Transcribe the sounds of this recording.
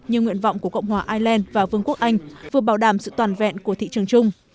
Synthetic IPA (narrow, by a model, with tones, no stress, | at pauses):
ɲɨ˧ŋwḭ˧˨ənva̰˧˨wŋ͡mku˧˩əkə̰˧˨wŋ͡mhwaː˨˩ʔaː˧jlɛ˧nvaː˨˩vɨ˧əŋku˦˥ək̚ʔa˧jŋ̟vɨ˨˩əɓaː˧˩wɗaː˧˩msɨ̰˧˨t̪waː˨˩nvɛ̰˧˨nku˧˩ət̪ʰḭ˧˨t͡ɕɨ˨˩əŋt͡ɕʊ˧ŋ͡m